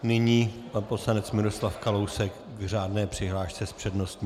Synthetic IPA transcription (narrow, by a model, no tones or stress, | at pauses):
nɪɲiː | po̞slanɛt͡smɪɾo̞slafkalowsɛk | ɡr̝aːdnɛːpr̥ɪɦlaːʃt͡sɛspr̝̥ɛdno̞st̪ɲi